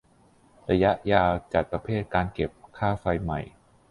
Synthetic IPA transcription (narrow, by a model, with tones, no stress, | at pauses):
ɾa˧ja˦˥ʔjaː˧wt͡ɕa˨˩t̪̚pɾa˧pʰeː˥˩t̪̚kaː˧nke˨˩p̚kʰaː˥˩fa˧jma˨˩j